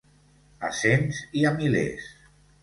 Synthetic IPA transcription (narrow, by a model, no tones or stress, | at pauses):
a̰senziamilḛs